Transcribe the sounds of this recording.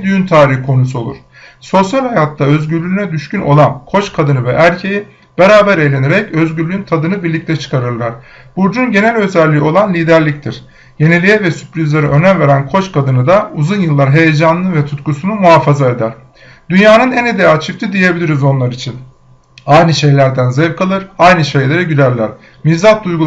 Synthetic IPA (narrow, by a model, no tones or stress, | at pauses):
d̪yjynt̪ʰaːɾihkʰo̞nusuo̞lˠṵɾ̝̥ | so̞sjalʲhajat̪ːaø̞zɟyɾlʲyynɛd̪yʃcyno̞̰lˠankʰo̞t͡ʃkʰad̪ɯnɯvɛʔæɾcʰeji | b̥e̞ɾaːbæɾe̞jlʲe̞neɾɛcø̞zɟyɾlʲyynt̪ʰad̪ɯnɯbiɾlʲic̚t̪ʰɛt͡ʃʰɯ̥kʰaɾɯɾlˠaɾ̥ | b̥uɾd͡ʒunɟe̞nælʲø̞zælʲːio̞lˠanlʲiːd̪æɾlʲic̚t̪ʰiɾ̥ | je̞nelʲijɛvɛsy̥pɾizlʲeɾɛʔø̞nænve̞ɾænkʰo̞t͡ʃkʰad̪ɯnɯd̪auzunjɯlˠːaɾɦe̞jed͡ʒanɯnɯvɛt̪ʰut̪kusunumuɦaːfazae̞d̪æɾ̥ | d̪̥ynjaːnɯnɛned̪eat͡ʃʰift̪ʰid̪ije̞bilʲiɾizo̞nlˠaɾit͡ʃʰin | ajnɯʃe̞jlʲæɾd̪ænzevkʰalˠɯɾajnɯʃe̞jlʲe̞ɾɛɟyzæɾlʲæɾ̥ | mizat̪̚d̪ujɡu